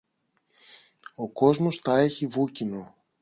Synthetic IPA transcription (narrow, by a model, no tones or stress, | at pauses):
o̞ko̞zmo̞sθɐe̞çivucino̞